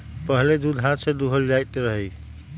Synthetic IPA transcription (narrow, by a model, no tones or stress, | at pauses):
pəɦled̪ud̪ʱɦãt̪sẽd̪uɦəld͡ʒajt̪eɾəɦəj